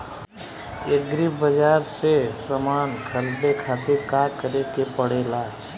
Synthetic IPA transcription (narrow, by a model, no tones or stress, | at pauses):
eɡɾibəd͡ʒaːɾsesəmaːnkʰəlɖ̪ekʰaːt̪ɪɾkakəɾekepəɽeːlaː